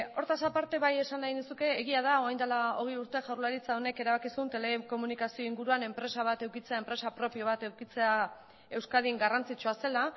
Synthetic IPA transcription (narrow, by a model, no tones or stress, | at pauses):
o̞ɾt̪asapaɾt̪e̞βaje̞sanainusuke̞ːɣiað̞ao̞ajnd̪alao̞̰ɣ̞euɾt̪e̞ʝawɾlaɾit͡sao̞ne̞ke̞ɾaβakisunt̪e̞le̞ko̞munikasio̞iŋɡuɾuane̞mpɾe̞saβ̞at̪e̞wkit͡se̞ae̞mpɾe̞sapɾo̞pioβ̞at̪e̞wkit͡se̞a | e̞wskað̞iŋɡarant͡sit͡ʃuase̞la